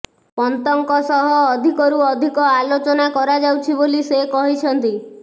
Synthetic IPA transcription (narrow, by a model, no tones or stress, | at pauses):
pɔnt̪ɔŋkɔsɔɦɔːd̪ʱikɔɾuɔd̪ʱikɔalot͡ʃɔnakɔɾad͡ʒawt͡ʃʰibolisekɔɦit͡ʃʰɔnt̪i